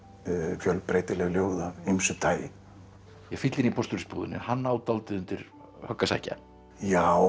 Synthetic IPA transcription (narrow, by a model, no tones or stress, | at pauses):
fjœlpɾeːjt̪ɪlɛɣljoːwðaimsʏt̪ʰaːjɪ | jɛfɪt̪lɪnipʰɔst̪uɾɪspṵːðɪ̰nːɪ̰nhanːaaːwt̪alt̪ɪðʏnt̪ɪɾ | hœkːasa̰jhca̰ | jaːw